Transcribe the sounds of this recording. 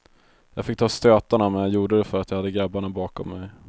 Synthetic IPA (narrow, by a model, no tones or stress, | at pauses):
jɑːɡfɪk̚ːt̪ʰɑːst̪øːt̪aɳamɛnjajuːɖəd̪ɛfœɾat̪jɑhad̪ːəɡɾabːaɳabɑːkɔmːɛj